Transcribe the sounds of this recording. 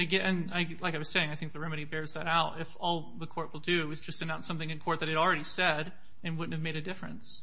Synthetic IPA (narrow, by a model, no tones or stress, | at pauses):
aɪɡɛɨ̃naɪlaɪkaɪwʌz̥seɪɪ̃ŋaɪθɪ̃ŋk̚ðɨɹɛmɨɾibɛɹzðɨɾaʊɾɪfɔlˠðəkʰɔɹʔ̚wəlˠdɨɨzd͡ʒʌstsɨ̃nãʊntsʌ̃mθɪ̃ŋɨ̃nkʰɔɹt̪̚ðɨɾ̚hɨɾl̩ˠɹɛɾisɛɾ | ɨ̃nwʊdⁿn̩thɨvmeɪɾɨdɪfɹɨ̰̃ns